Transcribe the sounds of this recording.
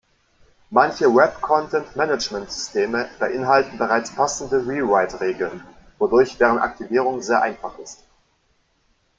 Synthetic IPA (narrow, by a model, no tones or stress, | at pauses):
mançəwɛp̚kʰɔntʰɛntmɛnət͡ʃmɛntz̥ʏstʰeːməb̥əʔɪnɦaltn̩bəʁaɪt͡spʰasn̩dəʁiʁaɪtʁeːɡl̩n | vodʊɐçd̥eːʁ̞əntʔa̰k̚tʰiviːʁ̞ʊŋzeːɐʔa̰ɪnfaχɪst